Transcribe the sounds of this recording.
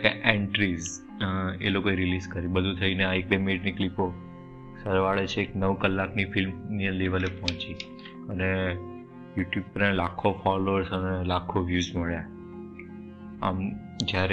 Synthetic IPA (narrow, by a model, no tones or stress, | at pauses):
keʔeɳʈɾiz | ḛlokoeɾilizkəɾibəd̪ʱũt̪ʰəineaek̚demeʈniklipo | səɾʋaɭet͡ʃʰeːknəʋkəlːaknifɪlmniəleʋəlepɔɦɔ̃t͡ʃi | əne | juʈjub̚pəɾelakʰːofɔloəɾsənelakʰoʋjuzməɭja | a̰m | d͡ʒjaɾe